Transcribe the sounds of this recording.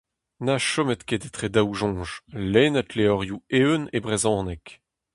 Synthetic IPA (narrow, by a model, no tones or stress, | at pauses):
naʃɔmɛt̪ked̪et̪χed̪awʒɔ̃ːʒleːnat̪leɔʁjueønebʁezɔ̃ːnɛk